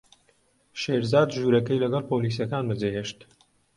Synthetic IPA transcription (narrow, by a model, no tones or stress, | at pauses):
ʃeːɾzaːd̪ʒuɾɐkɛjlɐɡɐlˠpoliːs̬jɐkaːnbɨd͡zeɦeːʃt̪